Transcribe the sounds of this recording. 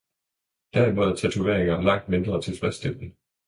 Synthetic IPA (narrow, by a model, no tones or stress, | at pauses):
d̥æɐimɔ̽ðˠɐt͡sʰæt͡sʰuʋe̝ɐ̰eŋɐlɑ̈ŋ̰d̥me̝nd̥ʁɐt͡sʰe̝lsʋ̥ɛsd̥emb̥n̩